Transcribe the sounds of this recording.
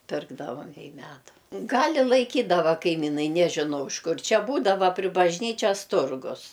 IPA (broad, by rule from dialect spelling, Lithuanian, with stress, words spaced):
ˈpʲɪrɡdɐʋɐm ɪ ˈmʲæːdʊ ˈɡɐlʲ ɪ lˠɐɪˈkʲiːdɐʋɐ kɐɪˈmʲɪnɐɪ nʲɛʒʲɪˈnɐʊ ɪʃ ˈkʊr ˈt͡ʃʲɛ ˈbuːdɐʋɐ pʲrʲɪ bɐʒʲˈnʲiːt͡ʃʲɛs ˈtʊrɡʊs